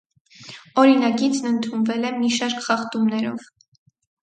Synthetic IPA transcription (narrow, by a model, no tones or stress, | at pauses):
ɔɾinɑkit͡sʰnənt̪ʰunvɛlɛmiʃɑɾkχɑχt̪umnɛɾɔ̰v̥